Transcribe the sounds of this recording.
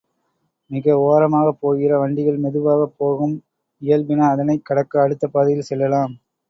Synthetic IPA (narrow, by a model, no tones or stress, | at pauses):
mɪɣɐoːɾɐmaːɣɐpːoːɣɪrɐʋɐɳɖɪɣɐɭmɛðɯʋaːɣɐpːoːɣɯm | ɪjɐlbɪnɐːðɐnɐɪkːɐɽɐkːɐːɽɯt̪ːɐpaːðɪjɪlsɛlːɐlaːm